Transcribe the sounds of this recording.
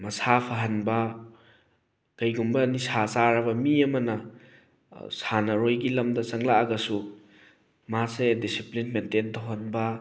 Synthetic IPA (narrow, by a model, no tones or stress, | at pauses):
mɐsapʰɐɦɐnbɐ | kɐjɡumbɐnisʰasaɾɐbɐmiɐmɐnɐ | sanɐɾojɡilɐmdɐsɐŋlaaɡɐsu | masedisiplinmententʰowɦɐnbɐ